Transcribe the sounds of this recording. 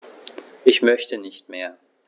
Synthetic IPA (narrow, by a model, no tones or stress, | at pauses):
ʔɪçmœçtənɪçtmeːɐ